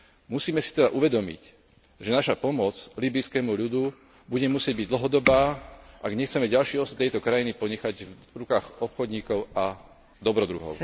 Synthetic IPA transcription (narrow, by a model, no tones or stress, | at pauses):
musiːmɛsi̥t̪ɛd̪aʔuʋɛd̪ɔmḭc | ʒɛnaʃapɔmɔt͡sliːbijskɛːmuʎud̪u | buɟɛmusɪɛɟ̚biɟd̪l̩ɦɔd̪ɔbaːʔaɡɲɛxt͡sɛmɛɟalʃiːɔst̪ɛjt̪ɔkɾajinipɔɲɛxaɟvɾukaːɣɔpxɔd̪ɲiːkɔʊa | d̪ɔbɾɔd̪ɾṵɦɔ̰ʊ